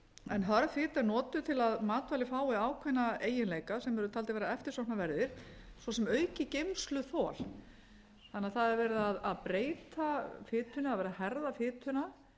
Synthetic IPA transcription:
ɛnɦaɾfɪːt̪aɾnɔːt̪ʏt̪ʰɪlaðmaːt̪valɪfaːwɪaːwkʰvɛnːaeːjɪnleːjkasɛmɛɾʏt̪ʰaːlt̪aveːɾaɛft̪ɪ̥ɾsowhnavɛɾðɪɾ̥ | svɔsɛmœːɥcɪcejmslʏθɔːl | θanːɪaðθaðɛɾvɛːɾɪðaðaðpɾeːjt̪afɪːt̪ʰʏnaaðvɛːɾahɛɾðafɪːt̪ʰʏna

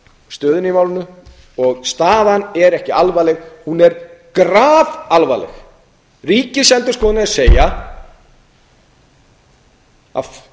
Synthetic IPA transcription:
st̪œːðʏnimaːwlɪnʏ | ɔɣst̪aːðanɛɾɛhcɪalvaːlɛxhunɛɾkɾaːvalvaːlɛ̰x | riːcɪsɛnt̪ʏɾ̥skɔːðɪnɪaseːja | a̰

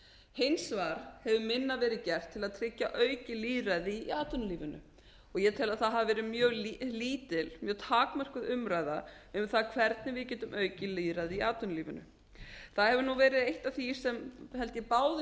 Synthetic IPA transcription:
hensvaːɾ̥hɛvʏmɪnːavɛːɾɪðcɛr̥t̪ʰːɪlaðt̪ʰɾɪcːaʔœːɥcɪliːɾaðɪːaːt̪ʏnliːvʏnʏ̰ | ɔɣjɛt̪ʰɪlaðθaðɦavvɛːɾɪmjœːɣlliːt̪ɪlmjœːt̪ʰaːkmœr̥kʏðʏmɾaːjðaʏmθaðkʰvɛɾt̪̚nɪvɪðcɛːt̪ʏmʔœːɥcɪliːɾaðɪiaːt̪ʏnliːvʏnʏ̰ | θaðhɛvʏnuvɛːɾɪðejht̪aθi̥sɛmhɛlt̪jɛpaːwðɪ

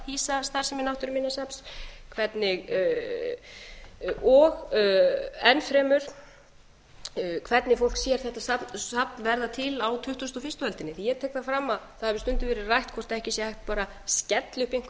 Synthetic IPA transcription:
hiːsast̪arsɛmɪnawht̪ʏɾmɪnːasɛpskʰvɛt̪nɪɣ | ɔɣ | ɛnfɾɛːmʏɾ̥ | kʰvɛt̪nɪfowl̥ksjɛɾ̥θɛht̪asap̪apnvɛɾðat̪ʰɪlawt̪ʰʏht̪ʏst̪ɔfɪst̪ʏvɛlt̪ɪnːɪθijɛɾt̪ʰɛːhkθafɾamːaθaðhɛvɪst̪ʏnt̪ɪvɛːɾɪrajht̪kʰvɔr̥t̪aɛhcɪsjɛhajht̪̚paːɾa | scɛt̪lɪhpiŋ̥k

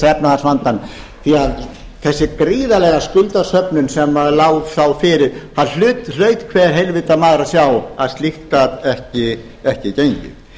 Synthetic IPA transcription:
sɛpnaðasvant̪an | θiað | θɛsːɪkɾiːðalɛɣaskʏlt̪asœpnʏnsɛmːaðlaːwðθawfɪɾɪɾ̥haðl̥ʏːt̪l̥œːɥt̪kʰvɛːɾ̥ɦelvɪt̪amaːðɾasjawaðst̪lihk̪atɛhcɪ | ɛhcɪcejɲcʏ

